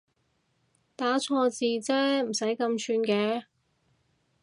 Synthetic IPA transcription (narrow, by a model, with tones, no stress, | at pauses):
t̪aː˨˥t͡sʰɔː˧t͡siː˨t͡sɛː˥m̩˨˩sɐ˨˥jkɐ˧mt͡ʃʰyː˧nkɛː˨˥